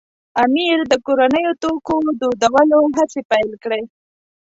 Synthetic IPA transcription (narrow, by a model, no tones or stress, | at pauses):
amiɾd̪əkoɾanəjot̪okod̪od̪awəloɦat͡sepajlkɽe